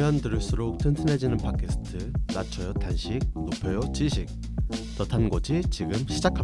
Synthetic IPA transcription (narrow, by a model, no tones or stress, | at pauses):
ʌndɯɾɯɭs͈uɾok̚tʰɯnsʰɯne̞d͡ʑinɯnpʰakʰesʰɯ̥tʰɯnat͡ɕʰʌjʌtanɕʰik̚nopʰjʌjot͡ɕiɕʰik̚ | t͡ɕʌtʰanɡʌd͡ʑʰit͡ɕiɡɯmɕʰid͡ʑakʰa